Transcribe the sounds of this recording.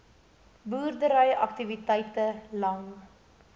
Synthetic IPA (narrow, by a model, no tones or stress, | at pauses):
buːrdəɾœjʔɐktivitɛjtəlɐŋ